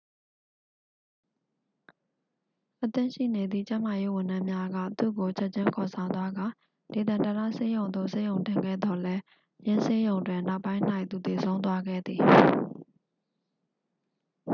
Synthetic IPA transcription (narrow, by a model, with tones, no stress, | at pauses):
ʔət̪ɪ̰̃˦˨ʃḭ˦˨ne˨d̪ðḭ˦˨t͡ɕã˦ma˨je˦wʊ̃˨ndã˦mja˦ɡa̰˦˨t̪ṵ˦˨ɡo˨t͡ɕʰɛ˦ʔ̚t͡ɕʰɪ̃˦ŋkʰɔ˨sʰã˨ʊ̃nt̪wa˦ɡã˨ | le˨d̪ã˨ntə˨la̰˦˨se˦jõ˨ʊ̃nd̪o̰˦˨se˦˨jõ˨ʊ̃ntɪ̃˨ŋɡɛ̰˦˨d̪ɔ˨lɛ˦ | jɪ̃˦se˦jõ˨ʊ̃ndwɪ̃˨na˦ʊpːã˦ɪ̃n̥a˦ɪʔ̪t̪u˨t̪e˨sʰõ˦ʊ̃nt̪wa˦ɡɛ̰˦˨d̪ði˨